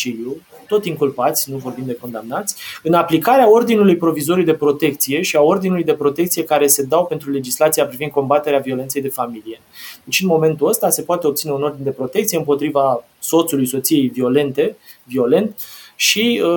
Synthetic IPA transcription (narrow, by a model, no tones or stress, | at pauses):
t͡ʃiliju | t̪o̞t̪ʲiŋkulpat̪sʲnuvo̞rbimd̪e̞ko̞nd̪amnat̪sʲɨnaplikaɾeao̞rd̪inulujpɾo̞vizo̞ɾujd̪e̞pɾo̞t̪e̞k̚t̪sije̞ʃiao̞rd̪inulujd̪e̞pɾo̞t̪e̞k̚t̪sije̞kaɾe̞se̞d̪awpent̪ɾule̞d͡ʒislat̪siapɾivind̪̚ko̞mbat̪e̞ɾeavio̞le̞nt̪se̞jd̪e̞familije̞d̪et͡ʃɨnmo̞me̞nt̪uəst̪ase̞poat̪eop̚t̪sineuno̞rd̪ind̪epɾo̞t̪ekt̪sijeɨmpo̞t̪ɾiva | so̞t̪sulujso̞t̪sije̞jvio̞le̞nt̪e̞ | vio̞le̞nt̪ʃi